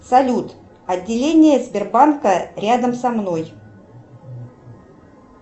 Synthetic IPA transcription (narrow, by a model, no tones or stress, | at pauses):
sɐlʲut̪ | ɐd̪ʲːɪlʲenʲɪjəzʲbʲɪrbankəɾʲad̪əmsɐmno̞j